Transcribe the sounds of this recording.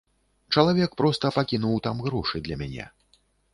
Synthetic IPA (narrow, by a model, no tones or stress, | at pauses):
t͡ʂɐlˠavʲɛkpɾɔst̪ɐpɐkʲinuwt̪amɣɾɔʂɨd̪lʲɐmʲanʲɛ̰